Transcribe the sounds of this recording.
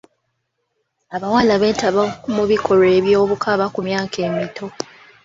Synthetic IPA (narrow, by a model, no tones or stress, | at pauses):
aβawalaβe̞ːtaβakumuβikʰo̞ɾe̞ːβjo̞ːβukʰaβakumjaːkʰe̞ːmitʰo̞